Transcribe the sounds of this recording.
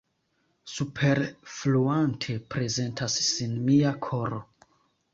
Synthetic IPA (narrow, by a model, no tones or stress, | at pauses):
supʰe̞ɾfluantʰe̞pɾe̞ze̞ntʰasːinmiakʰo̞ɾo